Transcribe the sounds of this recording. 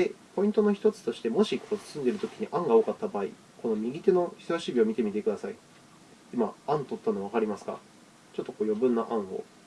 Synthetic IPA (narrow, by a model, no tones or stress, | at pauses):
epo̞ĩnt̪o̞no̞çi̥t̪o̞t͡sɨ̥t̪o̞ɕi̥t̪e̞mo̞ɕikʰo̞ːɨ̥sɨ̃nd̪e̞ɾɯ̟t̪okʲi̥ɲ̟iʔãŋɡaoːkat̪ːabaːḭ | ko̞no̞mʲiɡʲit̪eno̞çi̥soaɕibʲio̞mʲit̪e̞mʲit̪e̞kɯ̟d̪asai | imaãnt̪o̞t̪ːanoβakaɾʲimasɨ̥ɡa̰ | t͡ɕo̞t̪ːo̞koːjo̞bɯ̟̃nːaʔãɰ̃o̞̰